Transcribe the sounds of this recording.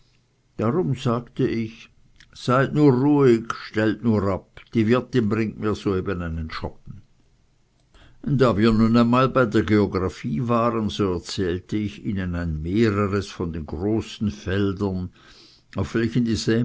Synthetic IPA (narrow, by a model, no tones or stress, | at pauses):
d̥aʁʊmzaːktəʔɪç | z̥aɪtnuːɐʁuːɪɡʃtɛltnuːɐʁapd̥iːvɪɐtɪnbʁɪŋtmiːɐz̥oːeːbənaɪnənʃɔp̚n̩ | ʊnd̥aːviːɐnunaɪnmaːlbaɪdeːɐɡeoɡʁafiːvaːʁənzoːɛɐt͡sɛːltəɪçiːnənaɪnmeːʁəʁəsfɔndeːnɡʁoːsn̩fɛldɐn | aʊfv̥ɛlçəndiːzɛː